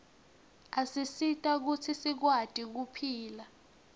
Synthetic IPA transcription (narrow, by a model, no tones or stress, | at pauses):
asisitʼak̬ut͡sʰisik̬watʼik̬upʰiːla